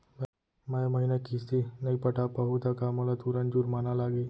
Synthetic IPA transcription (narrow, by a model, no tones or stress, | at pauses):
majaməɦinakist̪inaipəʈʰapəɦut̪akaməlat̪uɾəɳd͡ʑuːɾmanalaɡe